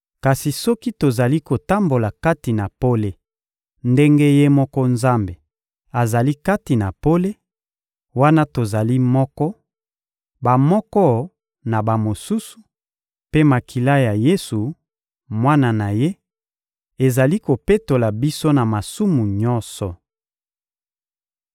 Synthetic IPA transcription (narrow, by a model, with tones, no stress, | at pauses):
ka˨si˨sɔ˦ki˦to˨za˨li˦ko˨ta˦mbo˨la˨ka˦ti˨na˨po˦le˦ | nde˦ŋɡe˦je˦mɔ˦kɔ˦nza˦mbe˨ | a˨za˨li˦ka˦ti˨na˨po˦le˦ | wa˦na˦to˨za˨li˦mɔ˦kɔ˦ | ba˨mɔ˦kɔ˦ | na˨ba˨mo˨su˦su̥˨ | pe˦ma˨kʰi˨la˦ja˨je˦su˨ | mwa˦na˨na˨je˦ | e˨za˨li˦ko˨pe˦to˨la˨bi˦so˦na˨ma˨su˦mu˨ɲɔ˦nsɔ˨